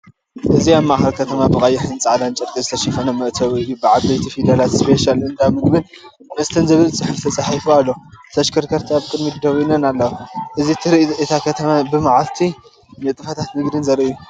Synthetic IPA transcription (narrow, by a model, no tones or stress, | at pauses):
ʔɨziamːaʔxɐlkʰɐt̪ʰɐmabɨkʼajɪħɨnt͡sʼʕad̪ant͡ʃʼɐɾkʼizɨt̪ʰɐʃifɐnɐmɐʔt̪ʰɐβɨjːubɨʕabejt̪ʰifid̪alat̪spʰeʃalɨnd̪amɨɡbɨn | nɨst̪ʰɨnzɨβɨlsɨħɨft̪ʰɐt͡sʼaħifualːot̪ʰɐʃkʰɐɾkʰɐɾt̪ʰiaβkʼɨd̪mid̪ɐwinɐnalːɐwaʔɨzit̪ʰɨɾɨɨt̪ʰakʰɐt̪ʰɐmabɨmaʕalt̪ʰi | nɨt̪ʼɨfɐt̪ʰat̪mɨɡd̪ɨnzɐɾiʔju